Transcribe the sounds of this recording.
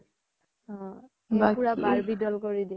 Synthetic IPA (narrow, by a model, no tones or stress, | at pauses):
ɔ̃ | eakuɹabaɹbidɔlkɔɹidi